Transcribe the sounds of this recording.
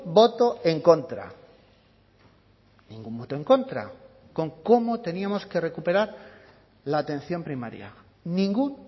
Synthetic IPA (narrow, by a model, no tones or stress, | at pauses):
bo̞t̪o̞e̞ŋko̞nt̪ɾa̰ | nĩŋɡumbo̞t̪oe̞ŋko̞nt̪ɾa̰ | ko̞ŋko̞mo̞t̪e̞niamo̞ske̞re̞kupe̞ɾaɾ | laːt̪e̞n̟θjo̞mpɾimaɾja̰ | nĩŋɡuŋ